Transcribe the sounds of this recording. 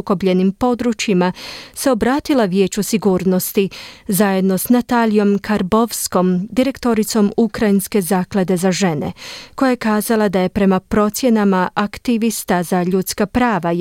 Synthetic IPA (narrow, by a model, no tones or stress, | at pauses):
uko̞bʎe̞nimpo̞d̪ɾut͡ʃimase̞o̞bɾaːt̪ilˠaʋje̞ːt͡ɕusiɡuːɾno̞st̪izaje̞d̪no̞snat̪alijo̞mkʰaɾbo̞ʋsko̞md̪iɾe̞kt̪o̞ɾit̪so̞mukɾajinske̞zaːklad̪e̞zaʒe̞ne̞̰ko̞jajekaːzalˠad̪aje̞pɾe̞mapɾo̞t̪sje̞namaʔakt̪iʋist̪azaʎut̪skapɾaːʋa